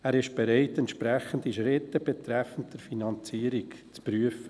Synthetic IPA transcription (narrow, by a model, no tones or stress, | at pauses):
æːɾɪʃb̥ɛɾaɪtɛntʃpɾɛxəndiʃɾɪtːəb̥ɛt̪ɾɛfən̩t̚d̥ɛɾfinɑnt͡siːəɾɪk | t͡spryəfə